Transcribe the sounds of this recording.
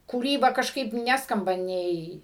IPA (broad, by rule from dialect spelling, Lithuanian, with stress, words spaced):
kuːˈrʲiːbɐ kɐʃˈkɐɪp ˈnʲæːskɐmbɐ ˈnʲɛɪ